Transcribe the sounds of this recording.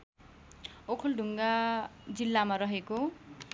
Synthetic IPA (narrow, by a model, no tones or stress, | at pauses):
okʰulɖʱuŋɡad͡zilːamaɾʌɦeko